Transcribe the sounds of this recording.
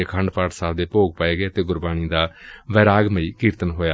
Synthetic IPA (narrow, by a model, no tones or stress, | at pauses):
ekʰəɳɖpaːʈsaːbd̪eːpoːɡ̚paːeːɡeːət̪eːɡʊɾbaːñiːd̪aːʋɛːɾaːɡməiːkiːɾt̪ənɦoːjaː